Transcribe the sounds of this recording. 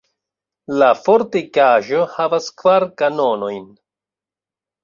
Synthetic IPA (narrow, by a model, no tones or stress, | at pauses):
lafoɾtikaʒo̞havaskvaɾkano̞no̞jn